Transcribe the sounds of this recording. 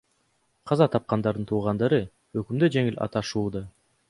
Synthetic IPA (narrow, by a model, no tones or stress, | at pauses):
qʰɑzɑt̪ʰɑp̚qɑnd̪ɑɾd̪ɯnt̪ʰuːʁɑnd̪ɑɾɯ | økymd̪ød͡ʒe̞ŋilʔɑ̰t̪ɑʃuːd̪ɑ